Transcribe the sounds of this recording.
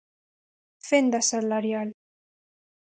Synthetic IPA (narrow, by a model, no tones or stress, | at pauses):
fend̪asalaɾjal